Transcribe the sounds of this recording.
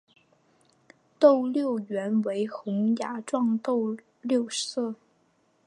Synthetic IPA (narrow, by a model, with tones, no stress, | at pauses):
t̪o˥˩˧ʊljo˥˩ʊɥɛ˧˥nwe˧˥ɪxʊ˧˥ŋja˨˥ʈ͡ʂwɑ˥˧ŋt̪o˥˧ʊ | ljo˥˧ʊsɤ˥˩